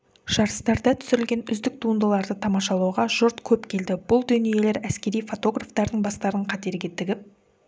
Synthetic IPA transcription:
ʒ̥ɑɾəst̪ɑɾd̪ɑt̪ʰʏ̥sɪɾɪlɡʲe̞nʏzd̪ɪk̚t̪ʰuənd̪əlˠɑɾd̪ət̪ʰɑmɑʃɑlˠuwʁɑʒʊɾt̪kʲʰɵpkʲʰe̞ld̪ɪbʊlˠd̪ɵnije̞le̞ɾæskʲe̞ɾijfo̞t̪o̞ɡraft̪ɑɾd̪əɴbɑst̪ɑɾəɴqʰɑt̪e̞ɾɡʲe̞t̪ʰɪɡʲɪp̚

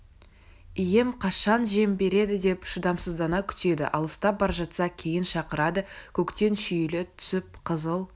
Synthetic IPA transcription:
ije̞mqʰɑʃɑnʒe̞mbe̞ɾe̞d̪ɪd̪e̞pʃəd̪ɑmsəzd̪ɑnɑkʲʰʏ̥t̪e̞d̪ɪ̰ʔɑ̰lˠəst̪ɑp̚bɑɾʒɑt̪sɑkʲʰe̞jɪnʃɑqəɾɑd̪əkʲʰɵkt̪e̞nʃʏjlɪt̪ʰʏ̥sɪp̚qʰəzəlˠ

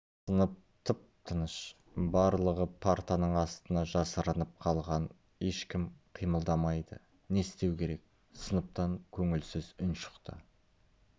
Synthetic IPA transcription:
sənəp̚t̪ʰəp̚t̪ʰənəʃ | bɑɾlˠəʁəpʰaɾt̪anəɴɑst̪ənɑʒɑsəɾənəp̚qʰɑlˠʁɑn | e̞ʃkʲɪmqʰijməlˠd̪ɑmɑjd̪ə̰ | ne̞st̪e̞wkʲʰe̞ɾe̞k̚ | sənəp̚t̪ɑŋkʲʰɵŋɪlsɪzʊnʃə̥qt̪ə̰

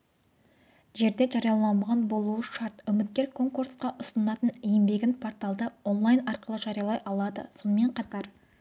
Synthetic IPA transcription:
ʒe̞ɾd̪e̞ʒɑɾijɑlˠɑmʁɑnbo̞lˠuwəʃɑɾt̪ʏmɪt̪̚kʲe̞ɾkʰo̞ŋkursqɑʔʊsənɑt̪ənijɪmbe̞ɡʲɪnpʰo̞ɾt̪ɑlˠd̪əo̞nlˠajnɑɾqəlˠəʒɑɾijɑlˠɑjʔɑlˠɑd̪ə̰so̞nəme̞ɴqʰɑt̪ɑɾ

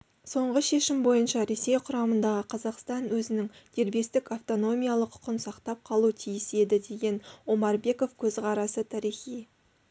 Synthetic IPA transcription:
so̞ɴʁəʃe̞ʃɪmbo̞jənʃɑɾe̞se̞jqʰʊɾɑmənd̪ɑʁəqʰɑzɑqst̪ɑnwɵzɪnɪŋd̪̥e̞ɾbe̞st̪ɪkaft̪o̞no̞mʲijɑlˠəqʰːʊ̥qənsɑqt̪ɑp̚qʰɑlˠut̪ʰijɪse̞d̪ɪd̪e̞ɡʲe̞nwo̞mɑɾbe̞ko̞fkʲʰɵzʁɑɾɑsət̪ʰɑɾijχij

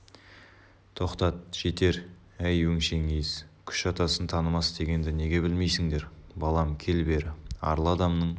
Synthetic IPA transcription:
t̪ʰo̞qt̪ɑt̪̚ʒ̥e̞t̪e̞ɾ | æjwɵŋʃe̞ŋejɪzkʲʰʏ̥ʃɑt̪ɑsənt̪ʰɑnəmɑsd̪e̞ɡʲe̞nd̪ɪne̞ɡʲe̞bɪlme̞jsɪŋd̪e̞ɾbɑlˠɑmkʲʰe̞lbe̞ɾɪɑ̰ɾlˠɑd̪ɑmnəɴ

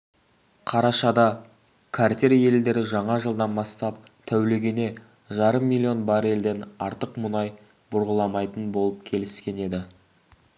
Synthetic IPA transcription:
qʰɑɾɑʃɑd̪ɑ | kʰaɾt̪ʲeɾje̞ld̪e̞ɾɪʒɑɴɑʒəlˠd̪ɑnbɑst̪ɑp̚ | t̪ʰæwle̞ɡʲe̞ne̞ | ʒɑɾəmːilʲːio̞nbɑɾe̞ld̪e̞nɑɾt̪əqmʊnɑj | bʊɾʁəlˠɑmɑjt̪ənbo̞lˠəp̚kʲʰe̞lɪskʲe̞ne̞d̪ɪ

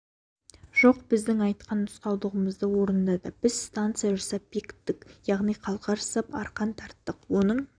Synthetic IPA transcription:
ʒ̥o̞qbɪzd̪ɪŋɑjt̪qɑnːʊsqɑwd̪ˠəʁəməzd̪əwo̞ɾənd̪ɑd̪ɑb̥ɪz̥st̪ant̪sɨjaʒɑsɑp̚bekʲɪ̥t̪ːɪkjɑʁnijqʰɑlˠqɑɾəsəpɑɾqɑnt̪ʰɑɾt̪ːəqwo̞nəɴ

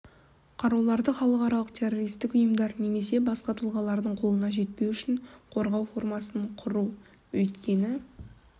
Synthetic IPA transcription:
qʰɑɾɑwlˠɑɾd̪əχɑlˠəqɑɾɑlˠəqt̪ʲʰe̞ro̞ɾijst̪ɪkʊjəmd̪ɑɾne̞me̞se̞bɑsqɑt̪ʰəlˠʁɑlˠɑɾd̪əɴqʰo̞lˠənɑʒe̞t̪̚pe̞wʏʃɪɴqʰo̞ɾʁɑwfo̞rmɑsəɴqʰʊɾuw | wɵt̪kʲʰe̞nɪ

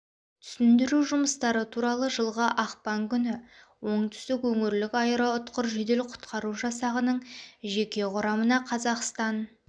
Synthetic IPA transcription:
t̪ʰʏ̥sɪnd̪ɪɾuʒʊməst̪ɑɾət̪ʰuɾɑlˠəʒəlˠʁəʔɑqpɑŋkʲʰʏnɪwo̞ɴt̪ʰʏ̥st̪ɪkwɵŋɪɾlɪkʲɑjəɾəʊt̪qəɾʒed̪e̞lqʰʊ̥t̪qɑɾuʒɑsɑʁənəɴʒe̞kʲe̞qʊɾɑmənɑqʰɑzɑqst̪ɑn

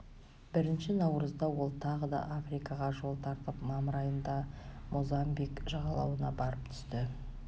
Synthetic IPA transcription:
bɪɾɪnʃɪnɑwɾəzd̪ɑwo̞lˠt̪ʰɑʁəd̪ɑ̰ʔafrijkɑʁɑʒo̞lˠt̪ʰɑɾt̪əpmɑməɾɑjənd̪ɑmʔozɑmbikʒɑʁɑlˠɑwənɑbɑɾəp̚t̪ʰʏ̥st̪ɪ

